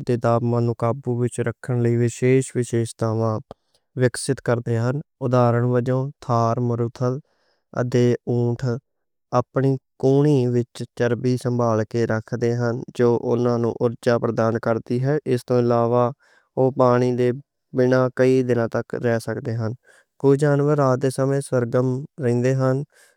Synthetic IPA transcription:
d̪eːd̪aːbmãːnũːkaːbuːʋɪt͡ʃɾəkʰːəɳləiːʋɪʃeːʃʋɪʃeːʃt̪aːʋãː | ʋɪksɪt̪kəɾd̪eːɦənʊd̪aːɾəɳʋəd͡ʒõːt̪ʰaːɾməɾʊt̪ʰəl | ə̰d̪eːũːʈʰ | aːpɳiːkuːɳiːʋɪt͡ʃt͡ʃəɾbiːsəmbʱaːlkeːɾəkʰd̪eːɦənd͡ʒoːʔʊ̰nãːnṵ̃ːʔʊɾd͡ʒaːpɾəd̪aːnkəɾd̪iːɦɛːʔɪst̪õːɪlaːʋaː | oːpaːɽ̃iːd̪eː | bɪnãːkəiːd̪ɪnãːt̪əkɾɛːsəkd̪eːɦən | kʊd͡ʒaːnʋəɾaːd̪eːsəmẽːsəɾɡəmɾɛĩːnd̪eːɦən

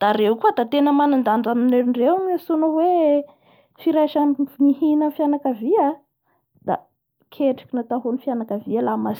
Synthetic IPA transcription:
d̪̥aɾeukuəd̪at̪enəmanand̪aɳɖ͡ʐamineɾiɳɖ͡ʐewmasunəwe | fiɾajʃanmihinənfjanakavia | d̪̥a̰ | kʰeʈ͡ʂi̥kʲinat̪aɦonifjanakavialamasi

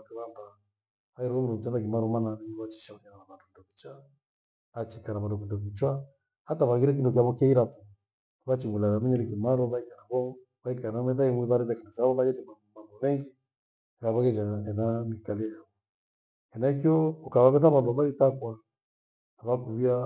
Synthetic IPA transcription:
akɛβamba | aiɾɔɔmudɔm̩t͡ʃatak̬imaɾɔmananɛɔβat͡ʃi̥ʃaɔɲananaβandɔkidɔkit͡ʃa | at͡ʃikanaβadɔkindɔkit͡ʃwa | hataβaɣiɾɛk̬indɔkiaβɔkaiɾatɔ | βat͡ʃiŋulanamɛɲɛɾikimaɾɔβaikanaβɔ | βaikanamɛdaiŋwiβaɾɛdakindɔt͡ʃaβɔβad͡ʒɛlimamambɔmɛŋɡi | ɛkaβaɣɛd͡ʒaɛnamikaliɛjaβɔ | ɛnaikiɔukaβaβɛθaβambɔβaitakwa | naβakuβia

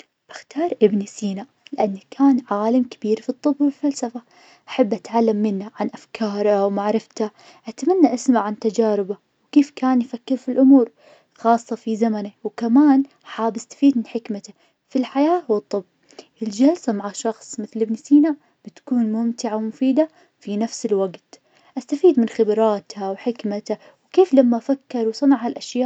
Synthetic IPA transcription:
ʔaxt̪ɑːɾˤʔɪbnisiːnaʔlɪʔanːakʰaːnʕaːlamkabiːɾfit̪ˤːɨbːwɪlfalsafa | ʔaħabːʔat̪ʕalːamːɪnːaʕanʔafkʰɑːɾˤawmaʕɾɪft̪a | ʔat̪manːaʔasmaʕant̪ad͡ʒaːɾɪba | wkeːfkaːnjfakːɪɾfilʔʊmuːɾ | xɑːsˤːɑfizamanawkamaːn | ħaːbʔast̪ḁfiːd̪mɪnħɪkmat̪a | filħajaːhwt̪ˤːɨb | ʔɪld͡ʒalsamaʕaʃɑxsˤmɪθlɪbnɪsiːna | b̥ɪt̪kuːnmʊmt̪ɪʕawmʊfiːd̪a | finafsɪlwaɡt̪ | ʔast̪afiːd̪mɪnxɪbɾɑːt̪hawħɪkmat̪a | wkeːflamːafakːɪɾˤwsˤɨnɑʕhalʔaʃjaːʔ

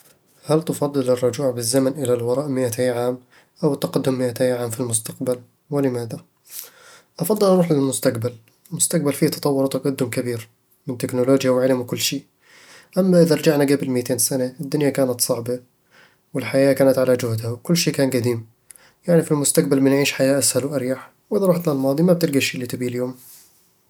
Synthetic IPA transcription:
halt̪ɪfɑd̪ˤːɨlɪrˤːʊd͡ʒuːʕbɪzːamanʔɪlalwɑɾˤɑːʔmɪʔat̪ajʕaːm | ʔawɪt̪ːɑqɑd̪ːʊmːɪʔat̪ajʕaːmfilmʊst̪aqbal | wɪlɪmaːða | ʔɑfɑd̪ˤːɨlanʊħɪlmʊst̪aqbal | ɪlmʊst̪aq̚balfiːt̪ɑ̥t̪ˤɑwːʊɾt̪ɑqɑd̪ːʊmkabiːɾ | mɪnt̪ɪknʊloːd͡ʒjawʕɪlmwkʊlːʃiː | ʔamːaʔɪðaɾˤɑd͡ʒaʕnaɡabɪlmɪːt̪eːnsanaɪd̪ːʊnjakaːnat̪sˤɑʕba | wɪlħajaːkaːnat̪ʕalad͡ʒʊhd̪hawkʊlːʃiːkaːnɡad̪iːm | jaʕnifilmʊst̪aq̚balmɪnʕiːʃħajaːʔashalwʔaɾjaħ | wʔɪðaɾˤɑːħt̪lalmɑːd̪ˤimab̚t̪ɪɾɡaʃiːlːit̪ɪbiːljoːm

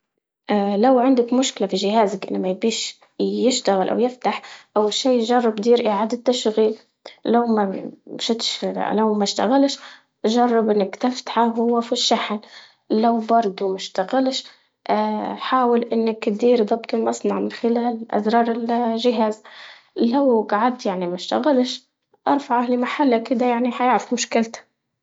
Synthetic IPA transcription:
ʔalawʕɪnd̪akmʊʃkɪlafiʒɪɦaːzakʔɪ̰nːmajbiːʃ | jɪʃt̪aɣɪlʔa̰wjɪft̪aħʔawːalʃiːjʒɑrˤːɑbd̪iːɾʔiʕaːd̪ɪt̪ːaʃɣiːl | lawmaʃɪt̪ʃlawmaʃt̪aɣalʃ | ʒɑrˤːɑbʔɪnːɪkt̪aft̪ḁħaɦʊwːafiʃːaħn | lawbɑɾˤd̪ˤumaʃt̪aɣalʃ | ʔħaːwɪlʔɪnːakd̪iːɾd̪ˤɑbt̪ˤɪlmɑsˤnɑʕmɪnxɪlaːlʔa̰zɾˤɑːɾˤɪlʒɪɦaːz | lawɡaʕad̪jaʕnimaʃt̪aɣalʃ | ʔɑɾˤfɑʕalimaħalːakɪd̪ajaʕniħajaʕɾɪfmʊʃkɪlt̪ḁ

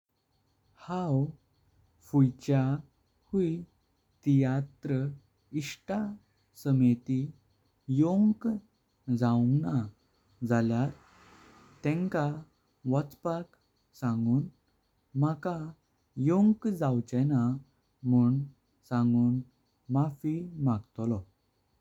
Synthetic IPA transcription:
haw | fujt͡ɕja | hui | t̪ijat̪ɾə | iʂʈa | səmet̪i | joŋk | d͡zauŋɡna | d͡zaljaɾ | t̪ɛ̃ŋka | ʋɔt͡spak | sãŋɡuːn | maka | joŋkd͡zawt͡ɕɛna | muːɳ | sãŋɡuːn | mafimaɡt̪ɔlɔ

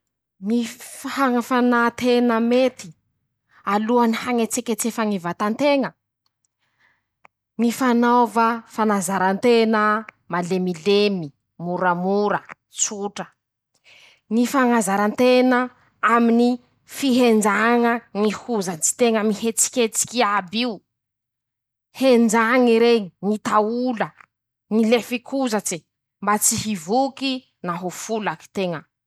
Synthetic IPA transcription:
ŋifhaŋəfanat̪enəmet̪i̥ | aluanihaŋet͡sekʲet͡sefəŋivat̪ant̪eŋə | ŋifanawvafanazaɾant̪enə | malemilemi | muɾəmuɾə | t͡suʈ͡ʂə | nifaŋazaɾant̪enə | amini | fiɦend͡ʒaŋəŋihuzant͡si̥t̪eŋəmihet͡si̥kʲet͡si̥kʲiabi | hend͡ʒaŋiɾeŋiŋit̪aulə | ŋilefikʰuzat͡se | mbat͡siɦivuki | naɦufulaki̥t̪eŋə

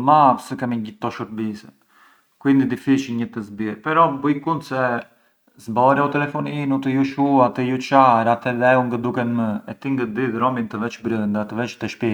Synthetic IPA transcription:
mapsəkɛmiɟit̪ːɔʃəɾbisɛt̪ | kuind̪id̪ifiʃiɲət̪əzbiɾpɛɾɔbujkund̪sɛ | zbɔɾjaut̪ɛlɛfɔninut̪əjuʃuat̪əjut͡ʃaɾat̪ɛlɛuŋɡəd̪ukɛnməɛ̰t̪iŋɡəd̪iðɾɔmint̪əvɛt͡ʃbɾilˠɛnd̪at̪əvɛt͡ʃt̪əʃpi

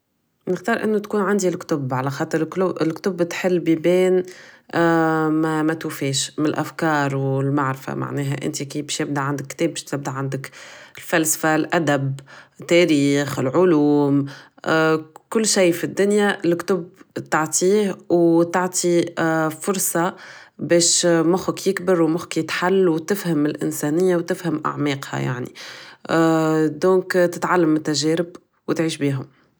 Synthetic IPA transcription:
mnɪxd̪ɑːɾʔɪ̰nːʊt̪kuːnʕand̪ilkt̪ʊbʕalæxɑːt̪ˤɨɾkʊɪlkt̪ʊbːt̪ħɪlːbibɛːn | mæmæt̪ufɛːʃmɪnɪlʔæfkɑːɾˤwɪlmaʕɾɪfa̰ma̰ʕnɛːɦæ̰ʔɪ̰nt̪ikiːbʃjɪb̚d̪aʕand̪ɪkːt̪ɛːbɪʃt̪ɪb̚d̪aʕand̪ɪkɪlfælsfalʔæd̪æbɪt̪ːæɾiːxɪlʕʊluːm | kʊlːʃijːfid̪ːʊnjalkt̪ʊbt̪aʕt̪ʰiːhwt̪aʕt̪ˤʰifʊɾˤsɑbɛːʃmʊxʊkjɪkbɪɾwmʊxkjɪt̪ħalːwt̪ɪfhamɪlʔɪ̰nsæːnɪjːawt̪ɪfhamʔa̰ʕmɛːqha̰ja̰ʕnḭ | d̪ɔ̃ːkt̪ɪt̪ʕalːamːɪt̪ːæʒɛːɾɪb | wɪt̪ʕiːʃbiːɦʊm

